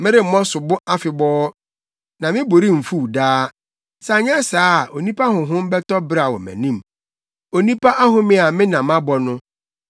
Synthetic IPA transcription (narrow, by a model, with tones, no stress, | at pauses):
mɪ̃˦ɾɪ˦m̩˨mɔ̃˦sʊ˨bʊ˦a˦fɪ˨bɔː˦ | nã˨mɪ̃˦bo˨ɾi˦m̩˨fu˦wdaː˦ | sa˨ɲɛ̃˦saː˦˨o˨nĩ˦pʰa˦ɦʊ̃˨ɦʊ̃˦m˦bɛ˦tɔ˦bɪ˦ɾa˨wɔ̰˨mæ̰̃˨nĩ˦m | o˨nĩ˦pʰa˦ʔa˦ɦʊ̃˦mɪ̃˦a˨mɪ̃˦nã˨mã˦bɔ˨nʊ̃˦